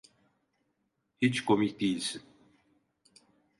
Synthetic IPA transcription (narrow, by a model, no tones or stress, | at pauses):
hit͡ʃkʰomicd̪ijilʲsin